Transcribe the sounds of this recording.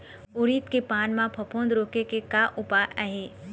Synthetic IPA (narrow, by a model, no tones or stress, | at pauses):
ʊɾiːt̪kepaːnmãpʰɐpʰõːnd̪ɾoːkekekaʔʊpaɛɦeː